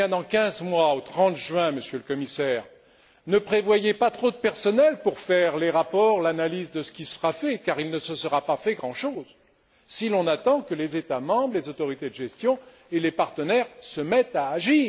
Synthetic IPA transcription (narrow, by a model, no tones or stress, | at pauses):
ɛ̃d̪ɑ̃kʲɛ̃zmwaot̪χɑ̃t̪ʒɥɛ̃məsjøləkɔmisɛːʁ | nəpχevwajepat̪χod̪əpɛʁsɔnɛlpuʁfɛʁleʁapɔʁlanalizd̪əsə̥kʲisəʁafɛkaʁilnəsəsəʁapafɛɡʁɑ̃ʃoz | silɔ̃nat̪ɑ̃kəlezet̪amɑ̃bʁlezot̪ɔʁit̪ed̪əʒɛst̪jɔ̃ | elepaʁt̪ənɛʁsəmɛt̪aːʒiːʁ